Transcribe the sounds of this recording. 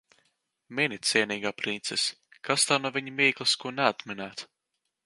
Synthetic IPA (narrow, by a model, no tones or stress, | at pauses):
minʲit̪sʲiɛniːɡaːpɾint̪sɛs | kast̪anuɔvʲiɲimiːklˠɨskuɔnɛat̪mɛnæːt̪